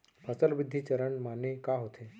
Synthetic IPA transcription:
pət͡səlbɪd̪ʱːiːt͡ɕəɾəɳmanːekaɦot̪ʰe

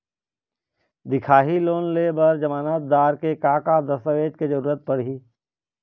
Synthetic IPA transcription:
d̪ɪkʰaːɦiloːnlebəɾd͡ʒəmaːnaːt̪̚d̪aːɾkekaːkad̪əsəʋeːd͡ʒ̪ked͡ʒəɾuːɾət̪̚pəɽɦiː

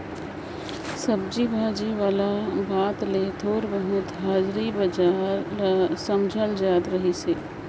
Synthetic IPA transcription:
səb̚d͡ʒibʱaːd͡ʒiʋaːlabaːt̪let̪ʰoːɾbəɦʊt̪ɦaːd͡ʒɾibɐd͡ʒaːɾsəmd͡ʒʱəld͡ʒaːd̪ɾəɦiseː

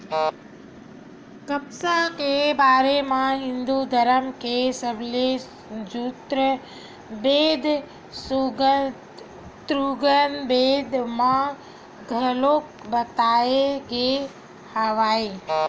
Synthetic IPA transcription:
kəpsakebaːɾemãɦɪ̃nd̪ud̪ʱəɾəmkesəbʱle | d͡ʒut̪ɾə | beːd̪ʱ | suɡ | t̪ɾuɡənbeːd̪ʱmã | ɡʱəlok̚bət̪aːeɡe | haʋaːe

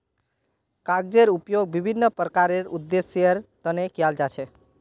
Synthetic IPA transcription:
kaɡ̚d͡ʒeɾupjoɡ̚bibʱinːəpɾəkaɾeɾud̪ːesəɾt̪ənekjald͡ʒat͡ʃʰɛ

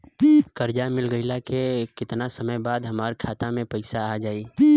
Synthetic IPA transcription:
kəɾd͡ʒamɪlɡəɪlakekɪt̪nasəməjbaːd̪ɦɐmaːɾkʰaːt̪amẽpəɪsaːd͡ʒaːiː

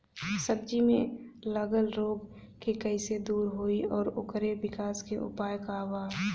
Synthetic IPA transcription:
səb̚d͡ʒimẽləɡəlɾoːɡ | kekɛɪsed̪uːɾɦoːiɔːɾʊkɾebɪkaːskeʔʊ̰paːjkawaː

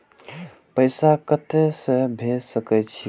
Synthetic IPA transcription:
pəɪsakət̪esə̃bʱesəkɛjt͡ʃʰi

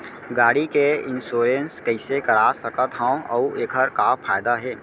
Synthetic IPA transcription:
ɡaːɽikeɪ̃nsoːɾenskəɪsekəɾaːsəkət̪ɦãõɔueːkʰəɾkapʰaːjd̪aɦɛː

